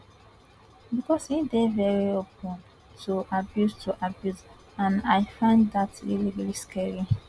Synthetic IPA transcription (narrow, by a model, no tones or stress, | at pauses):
bikɔsidevɛɹiopə̃n | tʰuʔabjustʰuʔabjuz | ãnajfãɪ̃nddatɹḭlivɛɹiskʰɛɹi